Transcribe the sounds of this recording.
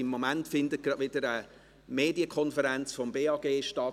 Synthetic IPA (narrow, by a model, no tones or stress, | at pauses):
ɪmːomæntfɪnd̪ət̚ɡ̥ɾɑdʋɪd̥əɾə | meːdiəkʰɔnfəɾænt͡sfɔmbeːɑɡ̥eːʃtɑ